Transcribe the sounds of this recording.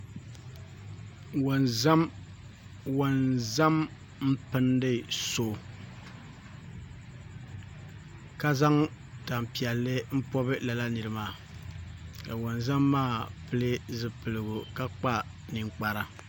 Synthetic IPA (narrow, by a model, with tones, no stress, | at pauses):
wo˨nza˦m | wo˦nza˦m | m̩˦pɨ˦ndɨ˦˨so˦˨ | ka˦za˦ŋ | ta˨m˨pi˨ɛ˨lːɨ˦m̩˦pɔ˦bɨ˦la˨la˦nɨ˨ɾɨ˨maː˨ | ka˨wo˨nza˦mːaː˦˨pɨ˦lɨ˦zɨ˨pɨ˨lɨ˨ɡʊ˨ka˦k͡pa˦ | nɨ˨ŋk͡pa˨ɾa˦